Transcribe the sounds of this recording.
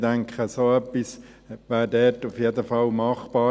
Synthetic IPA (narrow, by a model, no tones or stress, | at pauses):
dæŋkχəsoːœpːis | ʋæːɾdɛːtufjed̪əfɑlmɑχb̥ɑː